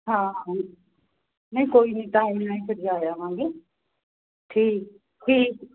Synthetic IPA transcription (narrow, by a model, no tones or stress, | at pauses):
ɦãː | nəĩːkoːiːnĩːt̪aːemenaːĩːsəɾijaːjaːɦãːɡeː | ʈʰiːk̚ | ʈʰiːk